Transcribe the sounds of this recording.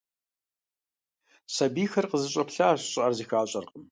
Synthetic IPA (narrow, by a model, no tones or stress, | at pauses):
sɐbiːxɐrqəzɨɕʼɐpɬaːɕʷɕʼɐrziːxaːɕʼɐrqʼəm